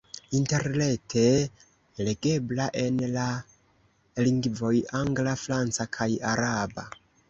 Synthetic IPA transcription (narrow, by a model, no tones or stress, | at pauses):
inte̞ɾne̞tʰe̞ | le̞ɡe̞blaʔe̞nla | liŋɡvo̞jaŋɡlafɾant͡sakʰajaɾaba̰